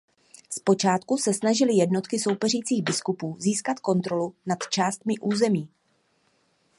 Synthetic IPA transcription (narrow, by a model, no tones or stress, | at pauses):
spo̞t͡ʃaːt̪kusɛsnaʒɪlɪjɛdno̞t̪kɪso̞wpɛriːt͡siːɣbɪskupuːziːskat̪ko̞nt̪ɾo̞lunat̪t͡ʃaːst̪mɪʔuːzɛmiː